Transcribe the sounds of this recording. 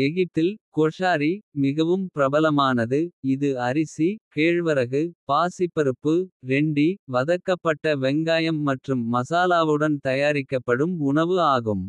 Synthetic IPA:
ɛɣɪt̪ːɪlkoːʂaːɾimɪɣɐʋɯmpɪɾɐbɐlɐmaːnɐðɯɪðɯɐɾɪsikeːɻʋɐɾɐɣɯpaːsɪpːɐɾɯpːɯɾɛɳɖiʋɐðɐkːɐpːɐʈːɐʋɛŋɡaːjɐmːɐʈrɯmːɐsaːlaːʋɯɽɐnt̪ɐjaːɾɪkːɐpːɐɽɯmʊɳɐʋɯaːɣɯm

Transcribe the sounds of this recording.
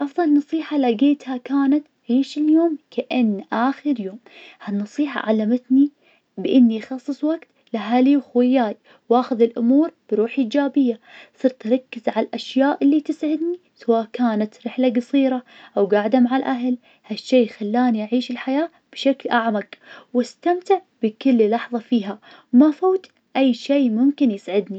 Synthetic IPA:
ʔɑfðˤɑlnːɑsˤiːħalaɡeːt̪hakaːnat̪aʕiːʃɪljoːmkaʔɪnːʔaːxɪɾjoːmhanːɑsˤiːħa̰ʕa̰lːamɪt̪ni | bɪʔɪnːixɑsˤːɨsˤwaɡt̪ | laɦaliwxwɪjːaːj | waːxʊðɪlʔʊmuːɾb̥ɾuːħʔiːd͡ʒaːbɪjːasˤɨɾt̪ɾˤɑkːɪzʕallʔaʃjaːʔɪlːit̪ɪsʕɪd̪ni | sawaːʔkaːnat̪ɾɪħlaɡɑsˤiːɾaʔawɡaʕd̪amaʕalʔaɦl | haʃːeːxalːaːniʔaʕiːʃɪlħajaː | b̥ʃaklʔaʕmaɡwast̪amt̪ɪʕb̥ɪkʊlːlɑħðˤɑfiːɦa | mafoːt̪ | ʔajːʃeːmʊmkɪnjɪsʕɪd̪ni

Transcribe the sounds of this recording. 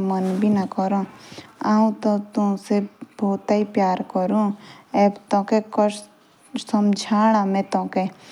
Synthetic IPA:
mənbʱinakɔɾõaːũt̪ot̪usebʱoːt̪aipjaːɾkəɾũɛːbt̪õːkekɔʃ | səmd͡ʒʱaːɽ̃amẽt̪õːke

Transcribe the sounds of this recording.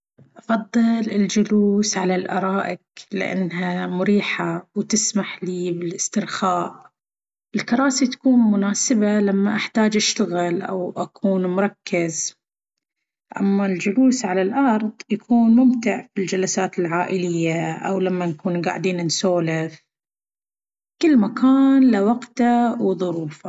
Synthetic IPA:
ʔɑfɑðˤːɨlɪld͡ʒʊluːsʕalalʔɑ̰ɾˤɑːʔɪklɪ̰ʔa̰nːɦamʊɾiːħawt̪ɪsmaħliːbɪlɪst̪ɪɾxaːʔ | ɪlkɑɾˤɑːsit̪ḁkuːnmʊnaːsɪbalamːaʔaħt̪aːd͡ʒʔaʃt̪aɣɪlʔa̰wʔakʰuːnmʊɾˤɑkːɪz | ʔa̰mːald͡ʒʊluːsʕalalʔɑɾˤðˤjakʰuːnmʊmt̪ɪʕfild͡ʒalasaːt̪ɪlʕaːʔɪlɪjːaʔa̰wlamːanakuːnɡa̰ʕd̪iːnɪnsoːlɪθ | kɪlːmakʰaːnlawɑqt̪awðˤʊɾuːfa

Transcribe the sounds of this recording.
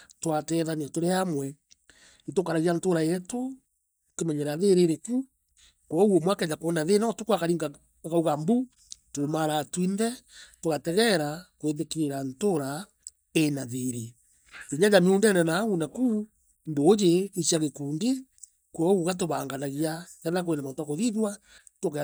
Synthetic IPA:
twatɛðaniatoɾeamwɛ | itokaɾaɣiantoɾaɛto | kemɛɲɛɾaðeɾeɾeku | kwɔwomwakɛɲakonaðenɔtokwakaɾiːŋɡa | kauɣambu | tomaɾatwinðɛtoɣatɛɣɛɾakweðekeɾeɾantoɾa | enaðeɾe | eɲajameundɛnɛnaɣunaku | ndoːd͡ʒeiʃiaɣekuːnde | kwɔuɣat̬oβaŋɡanaɣiakɛðak̬oenamatwakoðiðwa | tok

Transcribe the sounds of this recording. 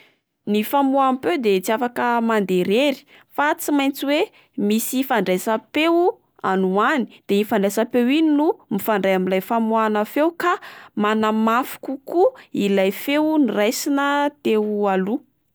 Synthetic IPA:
nifamuampewd̪et͡siafakəmand̪eɾeɾi̥ | fat͡simajnt͡siwe | misifaɳɖ͡ʐajsapew | a̰nuani̥d̪̥eifaɳɖ͡ʐasapewininumifaɳɖ͡ʐajaminlajfamuanəfewkamanamafu̥kukuilajfewnirajsinət̪ealu

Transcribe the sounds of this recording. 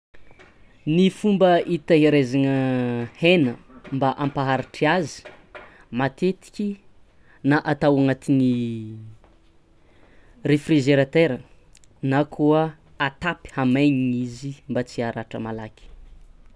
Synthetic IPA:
nifumbəʔit̪əɦeɾezanəhenəmbaʔampaɦaɾiʈ͡ʂiazi̥ | mat̪et̪i̥kʲi | naʔat̪awaŋat̪ini | refrizeɾat̪eɾə | nakʰuə | at̪api̥hamaɲiŋizimbat͡siaɾaʈ͡ʂə̰malakʲi̥

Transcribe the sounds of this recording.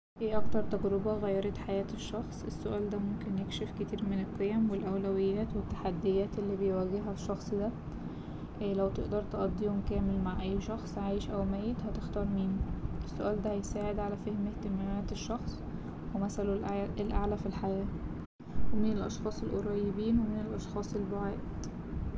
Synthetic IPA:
heːʔɑkt̪ɑɾˤt̪æɡɾɑbɑɣæjːɑɾˤɑt̪ħajæːt̪eʃːɑxsˤʔesːoʔæːld̪æmomkenjekʃefket̪iːɾmenelqejæmwelʔæwlæwejːæːt̪wet̪ːḁħad̪ːejæːt̪ʔelːiːbejwæɡːeɦæʃːɑxsˤd̪æ | læwt̪eʔd̪ɑɾˤt̪eʔɑd̪ˤːiːomkæːmelmaʕʔæjːʃɑxsˤʕaːjʃʔæwmæːjet̪hæt̪ext̪ɑːɾˤmiːnʔesːoʔæːld̪æhæjsaːʕed̪ʕalæfehmeht̪emæmæːt̪eʃːɑxsˤ | wemæsælolʔʔelʔaʕlæfilħajæː | wemenelʔɑ̰ʃxɑːsˤelʔoɾˤɑjebiːnwemenelʔɑʃxɑːsˤelboʕeːt̪

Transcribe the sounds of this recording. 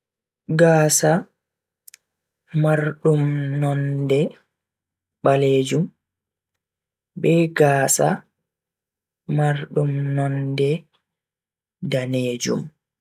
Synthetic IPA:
ɡaːsa | maɾɗumnɔndɛ | ɓaleːd͡ʒum | bɛːɡaːsa | maɾɗumnɔndɛ | daneːd͡ʒṵm

